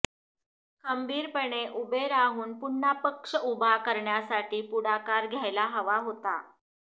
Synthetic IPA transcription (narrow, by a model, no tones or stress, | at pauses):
ɡəmbʱiːɾpəɳeʔubeɾaɦuːnpuɳːapəkʂəubʱakəɾɳjasaʈiːpuɽakaɾɡʱjajlaɦəʋaɦot̪a̰